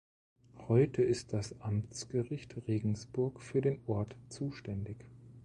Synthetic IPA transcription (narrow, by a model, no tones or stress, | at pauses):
hɔʏtʰəɪst̚d̥asʔamt͡sɡ̥əʁɪçtʁeːɡŋ̩sb̥ʊɐkfyːɐdeːnʔɔɐtt͡suːʃtɛndɪç